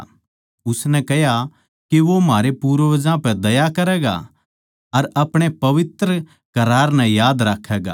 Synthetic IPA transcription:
ʊsnɛkɛɦja | kiʋomaːɾepuːɾʋɐd͡ʒãpɛd̪ɐjakɐɾɛːɡa̰ | ɐɾɐpɽ̃epɐʋɪt̪ɾə | kɐɾaːɾnɛ̃jaːd̪ɾakʰːɛːɡa̰

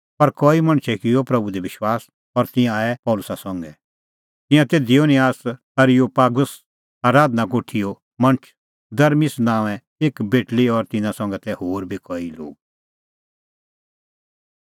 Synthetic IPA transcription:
pɐɾkɔːimɐ̃ñt͡ʃʰɛkɪjɔpɾɐbud̪ɛʋɪʃwaːs | ɔɾt̪ɪ̃jãːɛpɔːlʊsasɔ̃ŋɡɛ | t̪ɪ̃jãt̪eːd̪ioːnɪjaːs | ɐɾɪjopaːɡʊs | aːɾaːd̪nakoːʈʰijo | mɐ̃ñt͡ʃʰ | d̪ɐɾmisnãːʋɛ̃ | eːkbeːʈliɔɾt̪ɪ̃nãsɔ̃ŋɡɛt̪ɛhoːɾbʱikɔːilo̰ːɡ̚

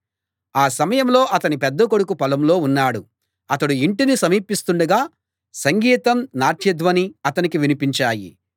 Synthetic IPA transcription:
aːsɐmɐjɐmlo̞ːʔɐt̪ɐnipɛd̪ːɐkoɽukupɐlɐmlo̞ːunːaːɽu | ɐt̪ɐɽuiɳʈinisɐmiːpist̪uɳɖɐɡaː | sɐŋɡiːt̪ɐmnaːʈʰjid̪ʋɐniɐt̪ɐnikiʋinipiɲt͡ʃaːjḭ

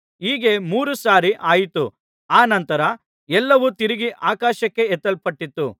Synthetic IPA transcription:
iːɡe̞muːɾusaːɾiʔaːjit̪u | aːnɐnt̪ɐɾɐ | ɛlːɐʋut̪iɾiɡiʔaːkaːʃɐkːe̞ɛt̪ːɐlpɐʈːit̪ːu

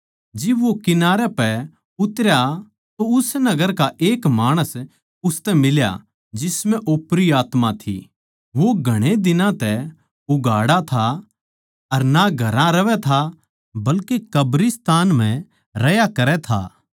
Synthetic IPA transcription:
d͡ʒɪbʋokɪnaːɾɛpɛ | ʊt̪ɾja | t̪oʊsnɐɡəɾkaʔeːkmaːɽ̃əs | ʊst̪ɛmɪlja̰ | d͡ʒɪsmɛ̃ʔoːpɾiaːt̪mãt̪ʰḭ | ʋoɡʱɐɽ̃ed̪ɪnãt̪ɛ | ʊɡʱaːɽat̪ʰa | ɐɾnaɡʱɐɾãɾɐʋɛt̪ʰa | bɐlkekɐbɾɪst̪aːnm̤ɛ̃ | ɾɐjakɐɾɛt̪ʰa̰ː

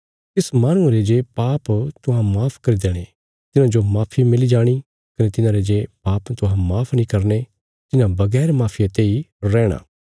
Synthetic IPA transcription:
t̪ɪsmaːñʊ̃aɾed͡ʒeːpaːpt̪ʊɦãmaːpʰkɐɾid̪eːɽ̃e | t̪ɪnãd͡ʒomaːpʰimɪlid͡ʒaːɽ̃i | kɐnet̪ɪnãɾed͡ʒeːpaːpt̪ʊɦãmaːpʰnĩkɐɾne | t̪ɪnãbɐɡɛːɾmaːpʰijãt̪eːiɾɛːɽ̃a̰ː

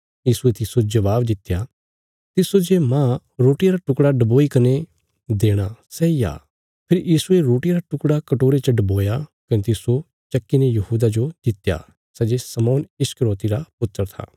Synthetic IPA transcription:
jiːsuet̪ɪsod͡ʒɐʋaːbd̪ɪt̪ja | t̪ɪsod͡ʒemãː | ɾoːʈijaɾaʈʊkɽaɖɐboːikɐne | d̪eːɽ̃asɛːija̰ː | pʰɪɾjiːsueɾoːʈijaɾaʈʊkɽakɐʈoːɾet͡ʃəɖɐboːjakɐnẽt̪ɪso | t͡ʃɐkːinejɐɦuːd̪ad͡ʒod͡ʒ̪ɪt̪ːja̰ː | sɛːd͡ʒesəmɔːnɪskəɾoːt̪iɾapʊt̪ːəɾt̪ʰa̰ː

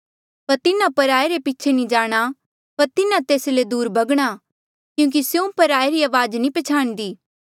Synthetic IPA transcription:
pɐɾt̪ɪnãpɐɾaːeɾepiːt͡ʃʰenĩd͡ʒaːɽ̃a | pɐɾt̪ɪnãt̪eːsled̪uːɾbʱɐɡɽ̃a | kjũːk̬isjõpɐɾaːeɾiaːʋaːd͡ʒnĩpɐt͡ʃʰaːɽ̃d̪iː

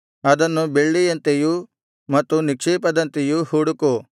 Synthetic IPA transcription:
ɐd̪ɐnːubeɭːijɐnt̪eju | mɐt̪ːunikʂiːpɐd̪ɐnt̪ejuhuːɽuku

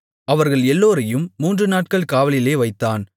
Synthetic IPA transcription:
ɐʋɐɾɣɐɭɛlːoːɾɐjɯmːuːndrɯnaːʈ̚kɐɭkaːʋɐɭɪleːʋɐɪt̪ːaːn

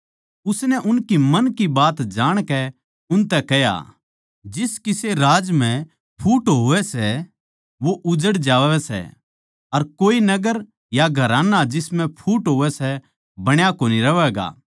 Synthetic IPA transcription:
ʊsnɛʔʊnkimɐnkibaːt̪d͡ʒaːɽ̃kɛ | ʊnt̪ɛkɛja̰ | d͡ʒɪskɪseɾaːd͡ʒm̤ɛ̃ | pʰuːʈɦoːʋɛsɛ | ʋoʔʊd͡ʒəɽd͡ʒaːʋɛsɛ̰ | ɐɾkoːinɐɡəɾ | jaɡʱɐɾãːnad͡ʒɪsmɛ̃pʰuːʈɦoːʋɛsɛ | bɐɽ̃jakoːniɾɐʋɛːɡa̰ː

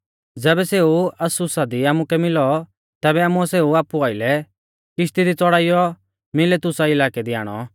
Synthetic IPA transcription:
d͡zɛːbɛseːuɐsʊsad̪iaːmukɛmɪlɔ | t̪ɛːbɛaːmuaseːuaːpuaːɪlɛ | kɪʃt̪id̪it͡sɔɽaːɪjɔ | mɪlɛt̪ʊsaɪlaːkɛd̪ia̰ːɽ̃ɔ̰

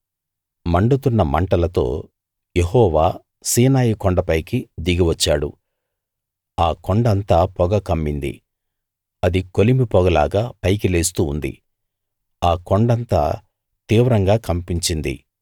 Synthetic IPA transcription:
mɐɳɖut̪unːɐmɐ̰ɳʈɐlɐt̪o̞̰ː | jeɦɔːʋaː | siːnaːjikɔɳɖɐpɐjkid̪iɡɐʋɐt͡ʃːaːɽṵ | aːkɔɳɖɐnt̪aːpɔɡɐkɐmːind̪ḭ | ɐd̪ikolimipɔɡɐla̰ːɡaːpɐjkile̞ːst̪uːnd̪ḭ | aːkoɳɖɐnt̪a̰ː | t̪iːʋɾɐŋɡaːkɐmpiɲt͡ʃind̪ḭ

